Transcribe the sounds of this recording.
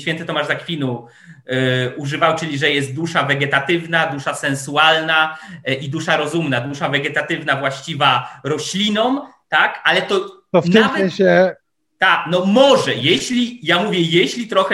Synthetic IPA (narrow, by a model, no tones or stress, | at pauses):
ɕfʲɛnt̪ɘt̪ɔmaʐzakfʲinu | uʐɘvawt͡ʂɘlʲiʐɛjɛst̪̚d̪uʂavɛɡɛt̪at̪ɘvnad̪uʂasɛnsualnaʔid̪uʂaɾɔzumnad̪uʂavɛɡɛt̪at̪ɘvnavwaɕt͡ɕivaɾɔɕlʲinɔmt̪akalɛt̪ɔt̪ɔfnamvsɛɲ̃ɕɛ | t̪aknɔmɔʐɛjɛɕlʲijamuvʲjɛjeɕlʲit̪ɾɔxɛ